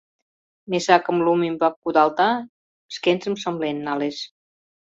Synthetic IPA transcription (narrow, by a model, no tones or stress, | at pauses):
mesakəmlumimbakud̪alˠt̪a | skensemsomlenːales